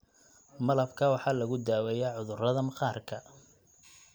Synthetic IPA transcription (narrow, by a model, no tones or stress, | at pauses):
mɐlɐbkʰɐːwɑħɑːlɐɣʊd̪aːwɛjaːʕʊðʊrɐðɐmqɑːrkʰɐ